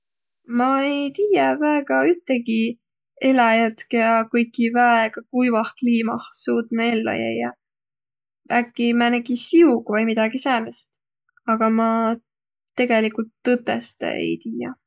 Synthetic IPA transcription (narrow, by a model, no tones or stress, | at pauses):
mɑejt̪iːjɑvæeɡ̥ɑyt̪ːˑeɡi | e̞lɑjæt̪kjɑkɤjkːˑivæeɡ̥ɑkujvɑhkliːmɑhsuːt̪nee̞lːo̰jæ̰jːɑ | ækːimænekisiuɡ̥vɑjmid̪ɑɡ̥isænest̪ | ɑɡ̥ɑmɑ | t̪e̞ɡe̞likult̪ːɤt̪ːˑest̪ḛḛjt̪iːjɑ